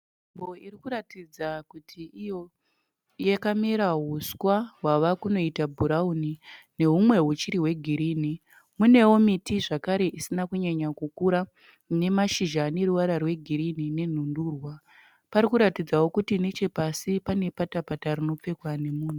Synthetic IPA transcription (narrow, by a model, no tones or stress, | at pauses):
imbo̞iɾikuɾatid͡zakutʰiijo̞ | jakameɾaɦuskwaɦwaʋakuno̞itabʱuɾaunine̞ɦumwe̞ɦut͡ʃiɾiɦwe̞ɡʱiɾiːni | mune̞wo̞mitiʐakaɾe̞ʔisinakuɲaɲakukuɾa | ne̞maʃiʒane̞ɾuʋaɾarwe̞ɡʱiɾinine̞n̤unduːrwa | paɾikuɾatid͡zawo̞kutine̞t͡ʃe̞pasipane̞patapatarino̞p͡fe̞kwane̞muːn̤u